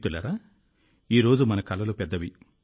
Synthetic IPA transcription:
t̪ulɐɾaː | iːɾo̞ːd͡ʒumɐnɐkɐlɐlupɛd̪ːɐʋi

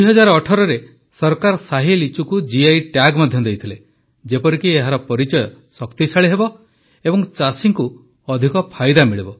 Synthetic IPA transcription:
d̪uiɦɔd͡ʒaɾɔːʈʰɔɾɔɾe | sɔɾkaɾɔsaɦilit͡ʃukud͡ʒiajʈaɡmad̪ʱjɔd̪ejt̪ʰile | d͡ʒepɔɾikieɦaɾɔpɔɾit͡ʃɔjɔsɔkt̪isaɭiɦebɔ | ebɔŋt͡ʃasiŋku | ɔd̪ʱikɔpʰajd̪amiɭibɔ

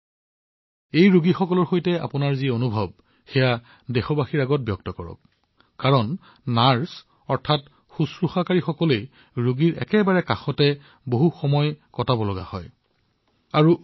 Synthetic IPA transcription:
ejɹuɡixɔkɔlɔɹxojtɛa̰pʊnaɹzionubʱɔb̚ | xɛja | dexɔbaxiɹaɡɔt̚bjɔk̚tɔkɔɹɔ̰k | kaɹɔn | naɹs | ɔɹtʰat | xusɹuxakaɹixɔkɔlej | ɹuɡiɹʔɛ̰kɛbaɹɛkaxɔtɛ | boɦuxɔmɔjkɔtabɔlɔɡa̰hɔ̰j | aɹu

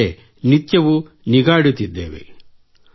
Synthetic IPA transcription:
e | nit̪jɐʋu | niɡaːɽut̪ːid̪ːḛːʋḛ

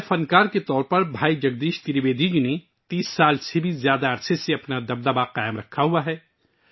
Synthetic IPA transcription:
fɐnkaːɾket̪ɔːɾpɐɾbʱaːid͡ʒɐɡ̚d̪iːʃt̪iɾʋeːd̪id͡ʒune | t̪iːsːaːlsʰebʱiːzjaːd̪aɐɾseseɐpnad̪ɐb̚d̪əbaqaːɪmɾɐkʰːaɦuaɦɛː

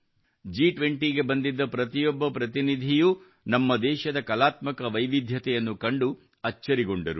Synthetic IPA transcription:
d͡ʒiːʈʋe̞ɳʈiɡe̞bɐnd̪id̪ːɐpɾɐt̪ijɔbːɐpɾɐt̪inid̪ʱiju | nɐmːɐd̪ɛːʃɐd̪ɐkɐlaːt̪mɐkɐʋɐjʋid̪ʱjɐt̪ɛjɐnːukɐɳɖu | ɐt͡ʃːɐɾiɡoɳɖɐɾu

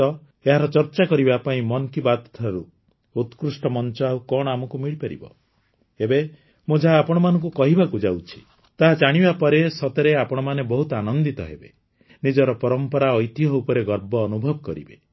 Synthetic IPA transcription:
ɔ | eɦaɾɔt͡ʃɔɾt͡ʃakɔɾibapaĩmɔnkibad̪t̪ʰaɾu | ut̪kɾusʈɔmɔnt͡ʃɔaukɔɽɔamɔkumiɭipaɾḭbɔ̰ | ebe | mud͡ʒʱaːpɔɽ̃ɔmanɔŋkukɔɦibakud͡ʒawt͡ʃʰi̥ | t̪aɦad͡ʒaɽ̃ibapɔɾesɔt̪eɾeapɔɽ̃ɔmanebɔɦut̪anɔnd̪it̪ɔ̰ɦḛbe | nid͡ʒɔɾɔpɔɾɔmpɔɾaɔjt̪iɦɔupɔɾeɡɔɾbɔːnubʱɔbɔkɔɾḭbe

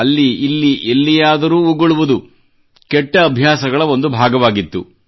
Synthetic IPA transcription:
ɐlːiilːiʔelːijaːd̪ɐɾuːuɡɐɭuʋud̪u | kɛʈːɐːbʱjaːsɐɡɐɭɐo̞nd̪ubʱaːɡɐʋaːɡit̪ːu

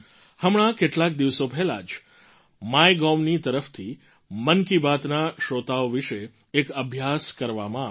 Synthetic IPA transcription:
həmɽ̃akeʈlak̚d̪iʋsopɛɦla̰d͡ʒ | majɡɔmnit̪əɾəft̪ʰi | mənkibat̪naʃot̪aoʋiʃeː | kəbʱjaskəɾʋamã

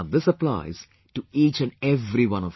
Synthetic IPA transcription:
d̪ɪsəpla̰ɪz̥ | ʈuiːt͡ʃæ̃nɖɛʋɾiʋʌ̃nɔf

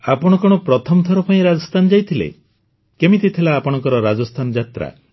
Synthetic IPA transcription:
apɔɽ̃ɔkɔɽ̃ɔpɾɔt̪ʰɔmɔt̪ʰɔɾɔpaĩɾad͡ʒɔst̪ʰanɔd͡ʒajt̪ʰilḛ | kemit̪it̪ʰilaːpɔɽ̃ɔŋkɔɾɔɾad͡ʒɔst̪ʰanɔd͡ʒat̪ɾa̰

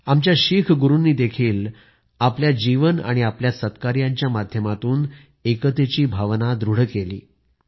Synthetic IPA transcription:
amt͡ɕjaɕikʰɡuɾunːiːd̪ekʰiːl | apljad͡ʑiʋəna̰ɽ̃iapljasət̪kaɾjãɲt͡ɕjamad̪ʱjəmat̪uːn | ekət̪et͡ɕiːbʱaʋnad̪ɾuɽ̤kelḭː

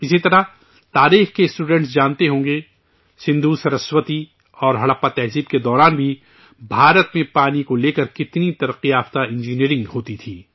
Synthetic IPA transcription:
ɪsit̪ɐɾa | t̪aːɾiːxkesʈuːɖɛ̃ɳʈs̬d͡ʒaːnt̪eɦõːŋɡe | sɪ̃nd̪ʱusɐɾəswət̪i | ɔːɾɦɐɽəpat̪ɛɦziːbked̪ɔːɾaːnbʱi | bʱaːɾət̪mẽpaːnikoleːkɐɾkɪt̪nit̪ɐɾəqiaːft̪aɪ̃nd͡ʒiniːɾɪ̃ŋɡɦoːt̪it̪ʰiː

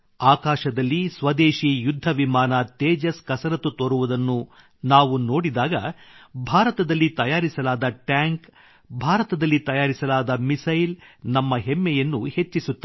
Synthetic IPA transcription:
aːkaːʃɐd̪ɐlːisʋɐd̪eːʃijud̪ʱːɐʋimaːnɐt̪eːd͡ʒɐskɐsɐɾɐt̪ːut̪oɾuʋud̪ɐnːu | naːʋuno̞ːɽid̪aːɡɐ̰bʱaːɾɐt̪ɐd̪ɐlːit̪ɐjaːɾisɐlaːd̪ɐʈjaːŋk | bʱaːɾɐt̪ɐd̪ɐlːit̪ɐjaːɾisɐlaːd̪ɐmisɐjlnɐmːɐɦemːɛjɐnːuhe̞t͡ʃːisut̪ːɐ

